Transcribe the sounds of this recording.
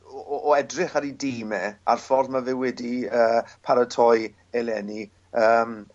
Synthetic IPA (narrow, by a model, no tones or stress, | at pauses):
ɔʔɔɛdrɪχaɾidimɛa̰rfɔrðmavɪwɛdiəːpʰaɾətʰɔj | ɛlˠɛni | əːm